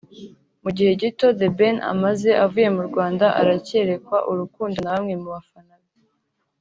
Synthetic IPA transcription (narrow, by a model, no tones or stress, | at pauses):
muɟihe̞ɟito̞debe̞na̰maze̞ʔavuje̞muɾɡwaːndaʔa̰ɾace̞ɾe̞kwaʔuɾukuːndo̞naβamŋemuβafanaβa